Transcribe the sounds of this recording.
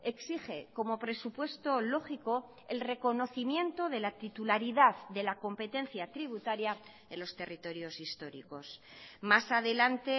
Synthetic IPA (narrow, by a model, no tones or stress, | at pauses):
e̞ksiχe̞ko̞mo̞pɾe̞supwe̞st̪o̞lo̞χiko̞ | e̞lre̞ko̞no̞θimjẽ̞nt̪o̞ðe̞lat̪it̪ulaɾiðaððe̞lako̞mpe̞t̪e̞nθjat̪ɾiβ̞ut̪aɾja | e̞nlo̞st̪e̞rit̪o̞ɾjo̞sist̪o̞ɾḭko̞smasaðe̞lant̪e̞